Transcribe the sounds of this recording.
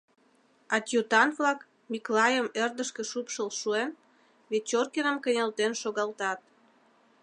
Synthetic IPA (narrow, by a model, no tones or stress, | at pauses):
ɑt̪ʲjut̪ɑnβlɑk | miklɑjəmerd̪əʃkĕʃupʃəlʃuen | βet͡ɕorkenəmkə̆nʲelt̪enʃoɣɑlt̪ɑt̪̚